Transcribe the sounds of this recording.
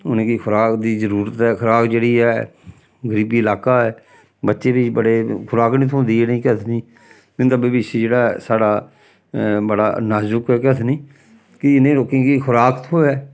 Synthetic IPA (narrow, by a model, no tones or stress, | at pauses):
ʊnẽːkikʰʊɾaːkd̪iːzəɾuːɾət̪ɛːkʰʊɾaːkd͡ʒeːɽiːɛː | ɡəɾiːbiːəlaːkaːɛː | bətːʃeːbibəɽeːkʰʊɾaːknĩːt̪ʰõːnd̪iːeːnəĩːkət̪ʰnĩː | mɪnt̪abeːbɪʃeːd͡ʒeːɽaːsaːɽaː | bəɽa̰ːnaːzʊkɛːkət̪ʰniː | kɪɪnẽːɾoːkẽːkikʰʊɾaːkt̪ʰoːɛː